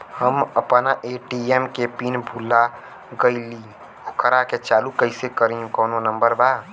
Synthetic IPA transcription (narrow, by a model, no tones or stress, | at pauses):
həməpnaʔeːʈiemkepiːnbʱuːla | ɡəiliː | okʰəɾaket͡ʃaːlukəɪsekəɾiũkɔːnonə̃mbəɾbaː